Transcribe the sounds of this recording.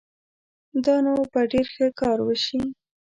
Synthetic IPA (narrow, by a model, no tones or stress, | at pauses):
d̪ɑnapəɖeɾxəkɑɾwəʃi